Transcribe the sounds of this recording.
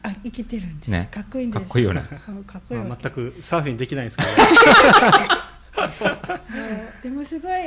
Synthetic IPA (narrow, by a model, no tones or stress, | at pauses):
aiket̪e̞ɾɯ̟̃nd̪enekakːoĩnkʰaesːoijo̰nḛsokʰakːoamat̪ːakɯ̟saːɸĩɲd̪e̞kʲinaĩd̪sk | mod̪̥e̞mosɨɡoi